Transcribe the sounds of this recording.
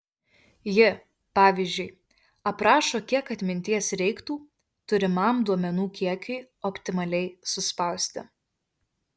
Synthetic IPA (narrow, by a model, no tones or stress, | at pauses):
jɪ | pɑːʋʲiːzʲd͡ʒʲʊɪ | ɐpɾɑːʃoːkʲiɛkɐt̪ʲmʲɪnʲt̪ʲiɛsɾʲɛɪkt̪uː | t̪ʊɾʲɪmɐmd̪uɔmʲɛnuːkʲiɛkʲʊɪ | ɔpʲt̪ʲɪmɐlʲɛɪsʊspɐʊsʲt̪ʲɪ̰